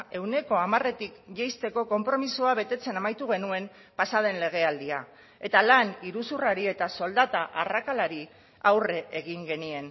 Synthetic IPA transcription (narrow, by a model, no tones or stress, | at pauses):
ʔe̞wne̞ko̞amare̞t̪ikʝejst̪e̞ko̞ko̞mpɾo̞misuaβe̞t̪e̞t͡se̞namajt̪uɣ̞e̞nue̞m | pasaðe̞nle̞ɣ̞e̞ald̪ia | e̞t̪alaniɾusuraɾie̞t̪aso̞ld̪at̪aʔarakalaɾi | awre̞ʔːɣiŋɡe̞nie̞n